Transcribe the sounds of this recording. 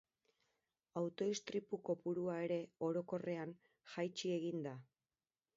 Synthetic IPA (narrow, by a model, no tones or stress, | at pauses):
awt̪o̞ist̪ɾipuko̞puɾuae̞ɾe̞o̞ɾo̞ko̞re̞an | xajt͡ʃie̞ɣind̪a